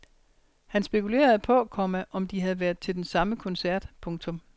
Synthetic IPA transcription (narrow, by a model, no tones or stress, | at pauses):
hænsb̥e̝kʰule̝̰ːɐð̞̩ˠpʰɒ̽kʰɒmæʔɒ̽md̥iɦæð̞̩ˠʋæɐðˠt͡sʰe̝ld̥ensɑ̈məkʰɔ̽nsæɐ̰d̥pʰɔ̽ŋt͡sʰɔ̽m